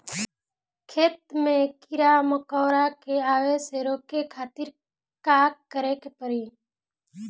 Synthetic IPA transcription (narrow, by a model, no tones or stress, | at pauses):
kʰeːt̪mẽkɪɾaməkɔːɾakeaːweseɾoːkekʰaːt̪iɾ | kaːkːəɾekepəɾiː